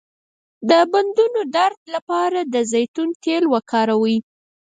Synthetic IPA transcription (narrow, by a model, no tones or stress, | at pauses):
d̪əband̪unod̪aɾd̪lapɑɾad̪əzajt̪unt̪elwəkɑɾawi